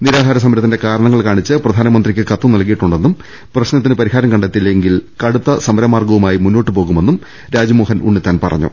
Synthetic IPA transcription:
niɾaːd̪ʱaːɾɐs̬ɐmɐɾɐt̪ːinde̞kaːɾɐɳɐŋːɐɭkaːɳit͡ɕːɨprɐd̪ʱaːnɐmɐnd̪rikʲːɨkɐt̪ːunɐlkijiʈːuɳɖe̞nːum | prɐɕnɐt̪ːinɨpɐɾihaːɾɐmkɐɳɖet̪ːilːeŋɡilkɐɽut̪ːɐsɐmɐɾɐmaːrɡɐʋumaːjimunːo̞ːʈːɨpo̞ːɣume̞nːum | ɾaːd͡ʑimoːɦɐnṵɳːit̪ːaːnpɐ̰rɐ̰ɲːṵ

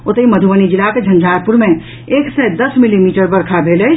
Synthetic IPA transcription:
ot̪əiməd̪ʱuʋənid͡ʒilaked͡ʒʱənd͡ʒʱaɾpuɾme | eksɛd̪əsmilimiʈəɾbəɾkʰabʱeləj

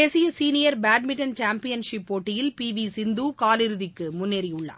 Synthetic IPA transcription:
eːsɪjɐsiːnɪjɐɾbaːʈmɪʈːɐnt͡ʃaːmpɪjɐnʂɪpːoːʈːɪjɪlpiːʋisɪnd̪uːkaːlɪɾɯðɪkːɯmʊnːeɾɪʊɭːa̰ː

